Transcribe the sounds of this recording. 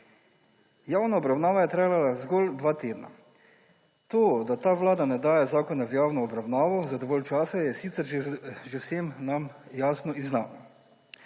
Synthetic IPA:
jaːwnaɔbɾawnaːʋajɛt̪ɾajlalazɡold̪ʋaːt̪eːd̪na̰ | t̪oːd̪at̪aːʋlaːd̪anɛd̪aːjɛzaːkɔnawjaːwnɔɔbɾawnaːʋɔzad̪ɔʋɔlt͡ʃaːsajɛsit̪sɛɾʒʒewseːmnamjaːsnɔiznaːna

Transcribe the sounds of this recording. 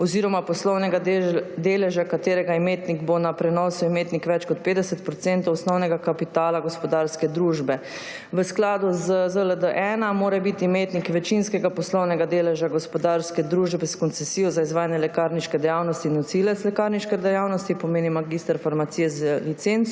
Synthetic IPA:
ɔziɾɔmapɔslɔwnɛɡad̪eːlɛʒakat̪eːɾɛɡaimeːt̪niɡbonapɾɛnɔsumeːt̪nikʋɛt͡ʃkɔt̪̚peːd̪ɛsɛt̪pɾɔt̪sɛnt̪ɔwɔsnɔwnɛɡakapit̪aːlaɡɔspɔd̪aːɾskɛd̪ɾuʒbɛ | ʋəsklaːd̪uzəzələd̪əʔɛnamoːɾɛbit̪imeːt̪nikʋɛt͡ʃinskɛɡapɔslɔwnɛɡad̪eːlɛʒaɡɔspɔd̪aɾskɛd̪ɾuʒbɛskɔnt̪sɛsiːjɔzaizʋaːjanjɛlɛkaɾniʃkɛd̪ɛjawnɔst̪inɔsilɛt̪slɛkaɾniʃkɛd̪ɛjawnɔst̪ipɔmeːnimaɡist̪əɾfaɾmat̪siːjɛzəlit̪sent̪s

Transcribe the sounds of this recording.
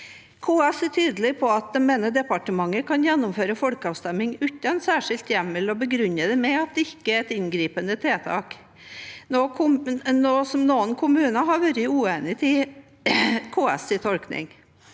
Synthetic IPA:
kʰoːɛsɛt̪ʰyːd̪əlɪpʰɔɑt̪̚d̪ɛmeːnəɖ̪ɛpɑʈəmɑŋːəkʰɑnjɛnːɔmføːɾəfɔlkəɑːʋst̪ɛmːɪŋʉːt̪ɑnsæːʂɪlt̪jɛmːɪlɔbəɡɾʉnːəd̪ɛmɛɑt̪̚d̪ɛɪkːəæɛt̪ɪnɡɾiːpənət̪ʰɾeːt̪ʰɑ̰ːk | noːkʰʊmnoːsɔmnoːənkʰʊmʉːnəɦɑɾʋœɾɪʉːeːnɪt̪ʰɪ | kʰoːɛ̰sɪt̪ʰɔlknɪ̰ŋ

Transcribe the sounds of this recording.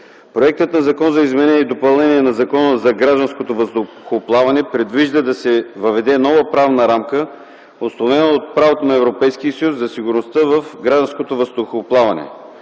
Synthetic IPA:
pɾoɛk̚t̪ət̪nɐzɐkɔnzɐizmɛnɛid̪opɐlˠnɛniɛnɐzɐkɔnəzɐɡɾaʒd̪ɐnskot̪ovəst̪o | xoplˠavɐnɛpɾɛd̪viʒd̪əd̪ɐsɛvɐvɛd̪ɛnɔvəpɾavnəɾamkə | oslˠovɛnoːt̪̚pɾavot̪onɐɛvɾopɛjsk̟iəsɐjusːɐsiɡʊɾnost̪əvɐfɡɾaʒd̪ɐnskot̪ovəst̪oxoplˠavɐnɛ̰

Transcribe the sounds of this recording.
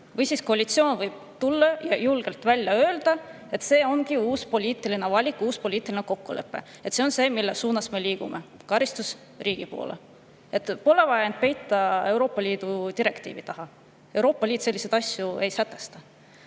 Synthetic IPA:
vɤjsisko̞ɑlʲit̪sio̞ːnvɤjb̥̚t̪ulːɑjɑjulɡ̥e̞lt̪vælʲːjɑø̞ːld̪̥ɑ | e̞t̪ːse̞ːo̞nɡiuːspo̞lʲiːt̪ːˑiline̞vɑlʲikːˑuːspo̞lʲiːt̪ːˑilinko̞kːule̞̰pːe̞̰ | et̪se̞o̞nse̞ːmilːesuːnɑsme̞liːɡ̥umʔe̞ | kɑɾist̪us | riːɡ̥ipo̞̰ːlḛ | e̞t̪ːˑpo̞le̞vɑjɑnd̪̥̚pe̞jt̪ːɑe̞wɾo̞ːpːɑlʲiːd̪̥ut̪iɾe̞kt̪ḭːvit̪ɑɦɑ | e̞wɾo̞ːpːˑɑlʲiːt̪se̞lːised̪ɑsʲjue̞jsæt̪ːˑe̞st̪ɑ

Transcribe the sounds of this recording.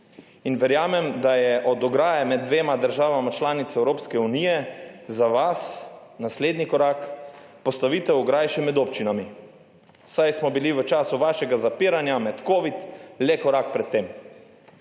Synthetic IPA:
inʋɛɾjaːmɛmd̪ajɛʔɔd̪ɔɡɾaːjamɛd̪̚d̪ʋeːmad̪əɾʒaːʋamat͡ʃlaːnit̪sɛwɾoːpskɛunijɛzaʋasnasleːd̪nikɔɾak | pɔst̪aʋiːt̪ɛwɔɡɾajʃɛmɛd̪opt͡ʃinami | sajsmɔbiliʋət͡ʃaːsuʋaːʃɛɡazapiːɾanjamɛt̪koːʋit̪lɛkɔɾak̚pɾɛt̪ːeːm

